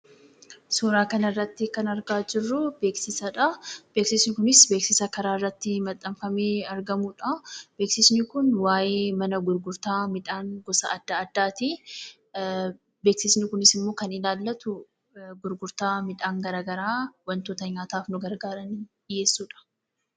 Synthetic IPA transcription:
suːɾaːkɐnɐrːɐt̪ːɪkɐnɐɾɡaːd͡ʒɪrːʊbe̞ːksɪsɐᶑɐb̥eːksɪsnɪkʊnɪsbeːksɪsɐkɐɾaːrːɐt̪ːɪmɐt̪ʼːɐmfɐmeːɐɾɡɐmuᶑɐb̥e̞ːksɪsnɪkʊnwaːjeːmɐnɐɡʊɾɡʊɾt̪aːmɪᶑaːŋɡɔsɐɐd̪ːɐːd̪ːaːt̪i | beːksɪsnɪkʊnɪsɪmːo̞ːkɐnɪlaːlːɐt̪ʊ | ɡʊɾɡʊɾt̪aːmɪᶑaːŋɡɐɾaːɡɐɾaːwɐnt̪oːt̪ɐɲaːt̪aːfnʊɡɐɾɡaːɾɐnidɪje̞ːsːuːᶑɐ̥

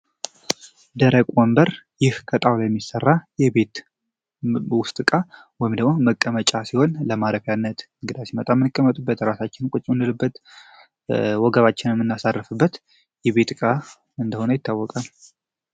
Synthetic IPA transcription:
d̪əɾəkʼwɔmbəɾjɪhkʰət̪ʼawlojɛmːisərːajɛbe̞t̪ | wʊst̪ʼɨkʼa | wɔjimd̪əɡmoməkʼːəmət͡ʃʼasiho̞nləmaɾəkjanːət̪ɨŋɡɨd̪asimət̪ʼamɨnɨkʼːəmːət̪ʼubːət̪ɾasat͡ʃːɪnkʷʼʊt͡ʃʼːɨnd̪ɨlɨbːət̪ | wɔɡəβat͡ʃːɪnɛmːɨnːasarːɨfɨbːət̪ | jɛβe̞t̪kʼa | ɨnd̪əho̞nəjɪt̪ʰːawːɔkʼal

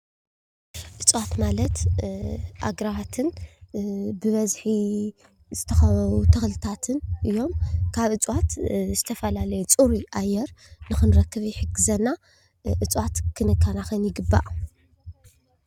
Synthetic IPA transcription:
ʔɨt͡sʼwat̪malɐt̪ | ʔa̰ɡɾawat̪ʰɨn | bɨβɐzħi | zɨt̪ʰɐxɐβɐβut̪ʰɐxlɨt̪ʰat̪ʰɨnʔɨjːo̞mkʰaβɨt͡sʼwat̪zɨt̪ʰɐfɐlalɐjut͡sʼuɾuʔajɛɾnɨxɨnɾɐkːɨβjɪħɨɡɨzɐnːa | ʔɨt͡sʼwat̪kʰɨnɨkʰːanaxɨnjɪɡɨbːa̰ʔ

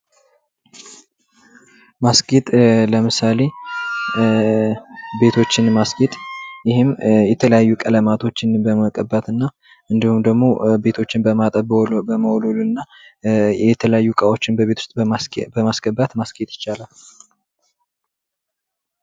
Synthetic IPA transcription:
masɡet̪ʼləmɨsale̞ | be̞t̪ʰo̞t͡ʃːɪnmasɡet̪ʼjɪhɪmjɛt̪ʰələjajːukʼələmat̪ʰo̞t͡ʃːɪnbəməkʼəbːat̪ɨnːa | ʔɨnd̪ihumd̪əɡmo̞be̞t̪ʰo̞t͡ʃːɪnbəmat̪ʼəbbəməwɔlolunːa | jɛt̪ʰələjajːukʼawo̞t͡ʃːɪnbəβet̪ʰu̥st̪ʼbəmasɡəbat̪masɡet̪ʼjɪ̥t͡ʃːalal

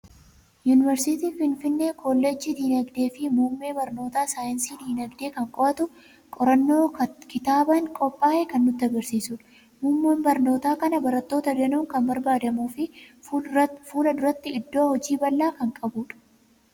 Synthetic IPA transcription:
juːnɪvɛɾsɪt̪iːfɪnfɪnːe̞ːkʰoːlːɛd͡ʒːid̪iːnɐɡd̪e̞ːfɪmuːmːe̞ːbɐɾno̞ːt̪aːsaːjɪnsiːd̪iːnɐɡd̪e̞ːkɐŋkʼɔʔɐt̪ʊ | kʼɔɾɐnːo̞ːkɪt̪aːbɐŋkʼɔpʼːaːʔɛkɐnːʊt̪ːɐɡɐɾsiːsʊᶑ | muːmːoːmbɐɾno̞ːt̪aːkɐnɐbɐɾɐt̪ːo̞ːt̪ɐdɐnuːŋkɐmbɐɾbaːd̪ɐmuːfɪ | fuːlɐd̪ʊɾɐt̪ːɪɪd̪ːoːhɔd͡ʒiːbɐlːaːkɐŋkʼɐbuːᶑɐ̥

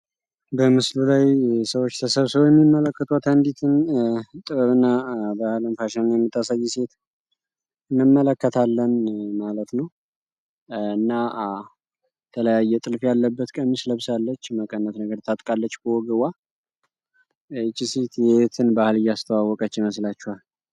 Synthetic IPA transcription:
bəmɨslulajsəwot͡ʃːt̪ʰəsəβsəβojɛmːimːələkːət̪ʰʼuwat̪ʰənd̪it̪ʰɨnt̪ʼɨβəβɨnːabahɨlɨmfaʃɛnnjɛmːɨt̪ʰʼːasajːɛse̞t̪ | ɨnːɨmːələkːət̪ʰalːənmalət̪nəw | ɨnːa | t̪ʰələjajːɛt̪ʼɨlfjalːəbːət̪kʼəmːisləβsalːət͡ʃːməkʼənːət̪nəɡəɾt̪ʰat̪ʼkʼalːət͡ʃːkʰəwɔɡəwa | ɨt͡ʃʼiset̪jɛet̪ʰɨnbahɨlɨjːast̪ʰəwawːɔkʼət͡ʃːjɪməslat͡ʃːuhal

